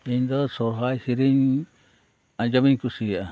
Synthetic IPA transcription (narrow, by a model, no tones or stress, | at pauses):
ind̪osoɦaihiɾin | ãd͡ʒamĩŋkusia